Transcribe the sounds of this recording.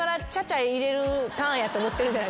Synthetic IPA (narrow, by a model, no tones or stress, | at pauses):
aɾat͡ɕat͡ɕaeiɾe̞ɾɯt̪ãjat̪o̞ːmo̞t̪ːe̞ɾɯd͡ʑana